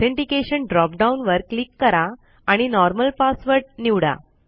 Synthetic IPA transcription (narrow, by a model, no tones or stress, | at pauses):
eɳʈikeɕəɳɖɾɔp̚ɖaunʋəɾklikːəɾaː | ɽ̃inɔɾməlpasʋəɾʈniʋɽa̰